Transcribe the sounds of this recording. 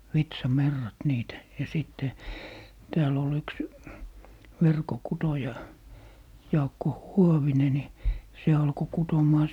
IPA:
ʋitsɑmerːɑt niːt jɑ siˑtːe tæːl ol yks ʋerkokutojɑ jɑːkːo huoʋine ni se ɑlko kutomˑɑː

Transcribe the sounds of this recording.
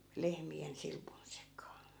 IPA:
lehmien silpun sekˑɑː

